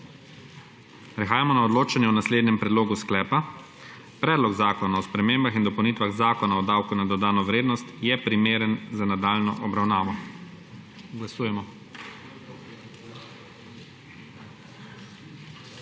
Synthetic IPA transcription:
pɾɛxaːjamɔnaɔd̪loːt͡ʃanjɛɔnasleːd̪nɛmpɾɛd̪loːɡusklɛːpa | pɾɛːd̪lɔɡzaːkɔnaɔspɾɛmembaxind̪ɔpɐwnit̪ʋaɣzaːkɔnaɔd̪aːwkunad̪ɔd̪aːnɔʋɾeːd̪nɔst̪jɛpɾimeːɾənzanad̪aːlnɔ̰ʔɔbɾawnaːʋɔ | ɡlasuːjɛmɔ

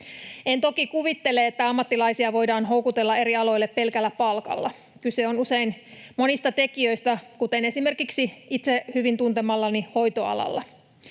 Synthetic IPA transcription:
ent̪o̞kikuʋit̪ːeleet̪ːæɑmːɑt̪ːilɑisiɑʋo̞jdɑːnɦo̞wkut̪elːɑe̞ɾiɑlo̞jlːepːe̞lkælːæpɑlkɑ̰lːɑ̰ | kyseonuse̞inmo̞nist̪ɑt̪e̞kiøist̪ækut̪ene̞sime̞rkiksiit̪sehyʋint̪unt̪emɑlːɑniho̞jt̪oɑ̰lɑ̰lːɑ̰

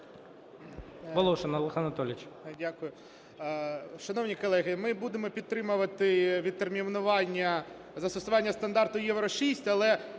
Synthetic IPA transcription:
ʋɔlˠɔʃenɐlˠɪxanɐt̪ɔlʲɪt͡ʃdʲakʊjʊ | ʃɐnɔwnʲikɔlˠɛɣɪmɪbud̪emɔpʲid̪t̪ːɾɪmʊʋɐt̪ɪʋʲid̪̚t̪ːermʲiʋnʊʋɑnʲːɐ | zɐst̪ɔsʊʋɑnʲːɐst̪ɐnd̪ɑrt̪ʊjɛʋɾɔʃisʲtʲɐlˠɛ

